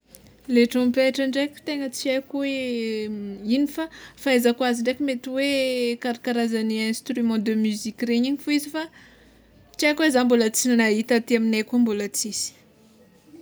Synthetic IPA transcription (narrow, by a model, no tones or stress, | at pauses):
leʈ͡ʂɔmpeʈ͡ʂaɳɖ͡ʐejkʲu̥t̪eŋət͡siajkuwe | inifafaezakuaziɳɖ͡ʐekumet̪iwekaɾakaɾazaniɛ̃st̪ɾymɑ̃d̪əmyzikʲreɲiɲifuizifa | t͡ʃiajkwezambolat͡sinnaɦit̪at̪iaminajkumbolat͡sisi̥